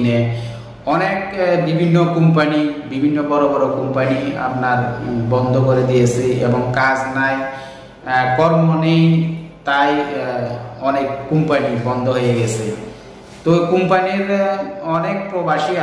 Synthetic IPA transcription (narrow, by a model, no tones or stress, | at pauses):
ne | ɔnekbibʱinːokumpanibibʱinːobɔɾobɔɾokumpania̰pnaɾbɔnd̪ʱokoɾed̪ijet͡ɕʰeḛboŋkad͡ʑnaj | kɔɾmonejt̪aj | ɔnekːumpanibɔnd̪ʱoɦojeɡɛt͡ɕʰe | t̪okumpaniɾɔnek̚pɾobaʃia